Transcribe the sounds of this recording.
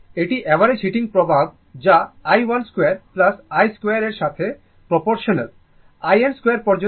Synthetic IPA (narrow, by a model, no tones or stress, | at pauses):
eʈiʔɛbaɾet͡ɕʰiʈiŋpɾobʱab̚ | d͡ʑaajwalskweaɾplasajskweaɾeɾʃat̪ʰe | pɾopoɾʃonel | ajenskwoejaɾpɔɾd͡ʑo